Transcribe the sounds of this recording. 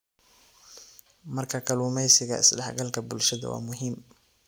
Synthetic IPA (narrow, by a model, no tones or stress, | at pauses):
mɐrkʰɐkʰɐluːmɛjsɪɣɐ̰ɪ̰sɖɑħɡɐlkʰɐbʊlʃɐðɐ̰wɑ̰ːmʊɦiːm